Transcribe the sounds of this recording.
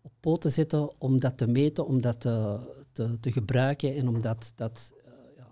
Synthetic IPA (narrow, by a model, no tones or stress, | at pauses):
ɔppoːtəzɪtəɔmdɑtəmeːtənɔmdɑtətətəɣəbrœɥkənɛnɔmdɑtd̥ɑtjaː